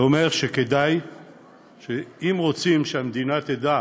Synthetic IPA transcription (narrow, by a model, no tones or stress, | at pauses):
ome̞ʁʃeked̪aj | ʃeimʁot͡simʃeamd̪inat̪ed̪a